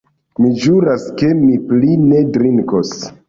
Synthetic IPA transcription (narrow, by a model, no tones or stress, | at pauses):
mid͡ʒuɾaske̞mipline̞dɾiŋkos